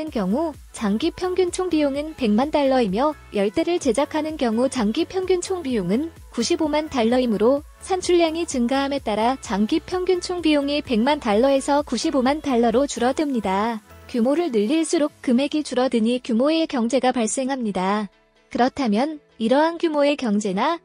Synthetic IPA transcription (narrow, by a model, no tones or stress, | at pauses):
ɯnkjʌŋu | t͡ɕaŋɡipʰjʌŋɡjunt͡ɕʰoŋbijoŋɯnpe̞ŋmantaɭːʌimjʌjʌɭt͈e̞ɾɯɭt͡ɕe̞d͡ʑakʰanɯnkjʌŋut͡ɕaŋɡipʰjʌŋɡjunt͡ɕʰoŋbijoŋɯn | kuɕʰibomantaɭːʌimɯɾo | sʰant͡ɕʰuʎːjaŋit͡ɕɯŋɡaɦame̞t͈aɾat͡ɕaŋɡipʰjʌŋɡjunt͡ɕʰoŋbijoŋipe̞ŋmantaɭːʌe̞sʰʌkuɕʰibomantaɭːʌɾot͡ɕuɾʌdɯmɲidakjumoɾɯɭnɯʎːiɭs͈uɾok̚k͈ɯmɦe̞ɡit͡ɕuɾʌdɯɲikjumoe̞kjʌŋd͡ʑe̞ɡapaɭs͈e̞ŋɦamɲida | kɯɾʌtʰamjʌn | iɾʌɦankjumoe̞kjʌŋd͡ʑe̞na